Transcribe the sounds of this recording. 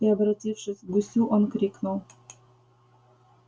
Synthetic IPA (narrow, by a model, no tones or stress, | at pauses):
iɐbɾɐtʲifʂɨsʲɡusʲuʔonkɾʲiknulˠ